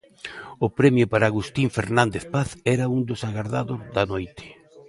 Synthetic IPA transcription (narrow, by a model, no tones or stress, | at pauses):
ʊpɾɛmjʊpaɾaɣust̪iɱfeɾnãnd̪eθpaθɛɾɐund̪ʊsaɣaɾðaðʊzðɐnojt̪ɪ̥